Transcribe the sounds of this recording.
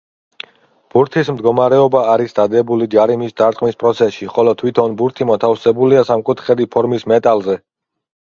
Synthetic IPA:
b̥uɾt̪ʰismd̪ɡɔmaɾɛɔbaːɾisd̪ad̪ɛbulid͡ʒaɾimisd̪aɾt̪ʼqʼmispʼɾɔt̪sʰɛsʃiχɔlɔt̪ʰwit̪ʰɔnbuɾt̪ʰimɔt̪ʰafsɛbuliasamkʼut̪ʰχɛd̪ipʰɔɾmismɛt̪ʼalˠzɛ

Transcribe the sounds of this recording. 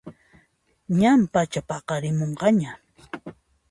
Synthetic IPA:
ɲampat͡ʃapɑqɑɾɪmoɴɢɑɲa

